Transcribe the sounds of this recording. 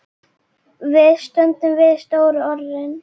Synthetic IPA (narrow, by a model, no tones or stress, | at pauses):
vɪðst̪œnt̪ʏmvɪðst̪oːwɾʏɔɾðɪn